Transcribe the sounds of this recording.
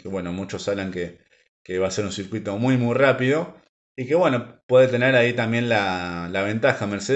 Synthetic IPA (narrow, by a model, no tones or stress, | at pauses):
keβwe̞no̞mut͡ʃo̞saβlaŋke | keβaːse̞ɾunsiɾkwit̪o̞mujmujrapiðo̞ | ike̞βwe̞no̞pwe̞ðet̪e̞ne̞ɾait̪ambje̞nlalaβ̞e̞nt̪axameɾse